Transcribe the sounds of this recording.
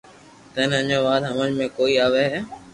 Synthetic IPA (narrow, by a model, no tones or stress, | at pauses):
t̪əɪnəɲõːʋaːd̪ɦəmə̃ɲmẽːkoːiːaːʋeɦeː